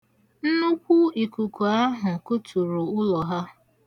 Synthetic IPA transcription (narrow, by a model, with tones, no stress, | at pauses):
n̩˦nu˦kʷu˦i˨ku˨ku˨a˦ɦʊ˨kʊ˦tu˨ɾu˨ʊ˦lɔ˨ɦa˦